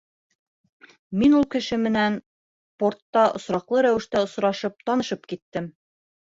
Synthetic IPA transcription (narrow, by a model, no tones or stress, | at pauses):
minulˠkɘ̆ʃɘmɘ̆næn | port̪ːɑʔŏ̰sɾɑqlˠɤɾæwɘ̆ʃt̪æŏsɾɑʃɤp̚t̪ɒnɤ̆ʃɤpkit̪ːɘm